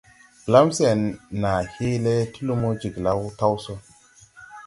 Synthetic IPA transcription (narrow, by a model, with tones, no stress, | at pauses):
ɡ̥la˦mse˨nːa˨hi˦le˦ti˦lu˦mo˦d͡ʒi˨ɡla˦wta˦wso˦